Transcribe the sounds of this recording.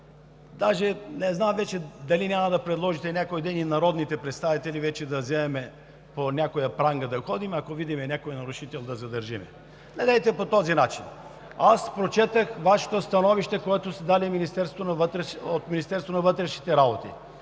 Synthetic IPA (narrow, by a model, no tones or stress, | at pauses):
d̪aʒɛnɛznamvɛt͡ʃɛd̪ɐlinʲamɐd̪ɐpɾɛd̪lˠɔʒit̪ɛnʲjakojd̪ɛninɐɾɔd̪nit̪ɛpɾɛt̪st̪avit̪ɛlivɛt͡ʃɛd̪ɐzɛmɛmɛ | ponʲakojɐpɾaŋɡəd̪ɐxɔd̪imɛɐkovid̪imɛnʲakojənɐɾuʃit̪ɛlˠd̪ɐzɐd̪ɐɾʒimɛ̰ | nɛd̪ɛjt̪ɛpot̪ɔzinat͡ʃin | aspɾot͡ʃɛt̪əxvaʃo̥t̪ost̪ɐnɔviʃt̪ɛkoɛt̪ost̪ɛd̪aliminist̪ɛɾsvonɐvət̪ɾɛʃot̪minist̪ɛɾst̪vonɐvɤt̪ɾɛʃnit̪ɛɾabot̪ḭ